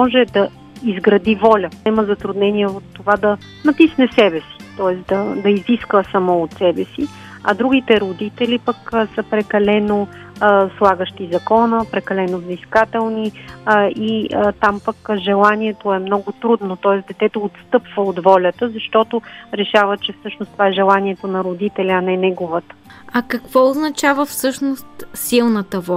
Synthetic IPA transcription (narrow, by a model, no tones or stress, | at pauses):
mɔʒɛd̪ɐ | izɡɾɐd̪ivɔlʲənɛməzɐt̪ɾud̪nɛniɛot̪ːovad̪ɐ | nɐt̪isnɛsɛbɛsi̥t̪ɔɛsd̪ɐd̪ɐiziskvəsɐmɔot̪sɛbɛsi | ɐ̰d̪ɾuɡit̪ɛɾʊd̪it̪ɛlipəksəpɾɛkɐlɛno | slˠaɡəʃt̪izɐkɔnəpɾɛkɐlɛnovziskat̪ɛlˠni | iət̪ampəkʒɛlˠaniɛt̪oɛmnɔɡʊt̪ɾud̪not̪ɔɛsd̪ɛt̪ɛt̪oːt̪st̪ɤpv̥əot̪vɔlʲət̪əzɐʃt̪ɔt̪oɾɛʃavət͡ʃɛfsɤʃnost̪ovaɛʒɛlˠaniɛt̪onɐɾod̪it̪ɛlʲɐnɛnɛɡovət̪ə̥ɐkəkv̥ɔʊznɐt͡ʃavəfsɤʃnost̪silˠnət̪əvɔ